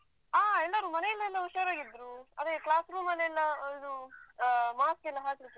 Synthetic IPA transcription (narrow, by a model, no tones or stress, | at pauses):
aːɛlːɐɾumɐnɛjɛlːɐɛlːɐuʃɐɾaːɡid̪ːɾuɐd̪eklaːsɾuːmɐlːɐɛlːɐid̪u | maːskɛlːɐɦaːsɾit̪ːu